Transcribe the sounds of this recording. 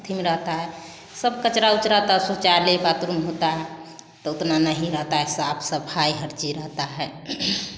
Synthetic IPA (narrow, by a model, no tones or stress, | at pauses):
t̪ʰimeɾəɦt̪aɦɛ | səbkət͡ʃɾaut͡ʃɾaɦt̪asot͡ʃaɾlebat̪uɾumɦot̪aɦɛ | t̪ɔʊt̪nanəɦĩɾəɦt̪aɦɛsabʰsəbhajɦəɾt͡ʃiɾəɦt̪aɦɛ